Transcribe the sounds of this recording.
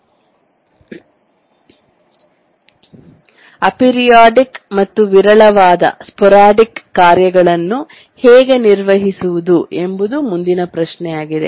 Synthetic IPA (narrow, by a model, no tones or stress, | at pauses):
ɐpiɾijaːɖikmɐt̪ːuʋiɾɐɭɐʋaːd̪ɐ̰spɔɾaːɖikːaːɾjɐɡɐɭɐnːu | hɛːɡe̞niɾʋɐɦisuʋud̪uʔe̞mbud̪umund̪inɐpɾɐʃnɛjaːɡid̪e̞̰